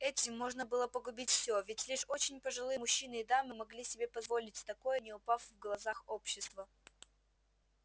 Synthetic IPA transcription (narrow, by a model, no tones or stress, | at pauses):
ɛtʲɪmːo̞ʐnəbɨlˠəpəɡʊbʲitʲfsʲovʲɪtʲlʲiʂo̞t͡ɕɪnʲpəʐɨlˠɨjəmʊɕːinɨːd̪amɨmɐɡlʲisʲɪbʲe̞pɐzvo̞lʲɪtʲt̪ɐko̞jənʲɪʊpafvɡlˠɐzaxopɕːɪst̪və